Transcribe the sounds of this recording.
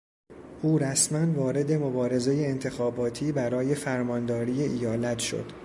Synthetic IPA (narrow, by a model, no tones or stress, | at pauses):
ʔuːɾæsmænvɒːɾe̞d̪e̞mo̞bɒːɾe̞zeje̞ːnt̪ʰe̞xɒːbɒːt̪ʰiːbæɾɒːje̞fæɾmɒːnd̪ɒːɾiːjeʔijɒːlæt̪ʰʃo̰d̪̥